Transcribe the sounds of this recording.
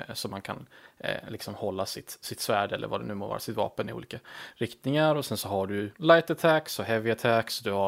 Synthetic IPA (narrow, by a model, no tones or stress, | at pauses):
sɔmankʰa̰nlɪksɔmhɔlːasɪt̪sɪt̪svæːɖɛlːə̰ɾvad̪ɛnʉ̟ːmoːvɑ̰ːɾa̰sɪt̪vɑ̰ːpənɪṵːliːkaɾɪkt̪nɪŋaɾɔsɛnsɔhaɖɵlajt̪at̪ʰæksɔɦɛvɪat̪ʰæksd̪ɵha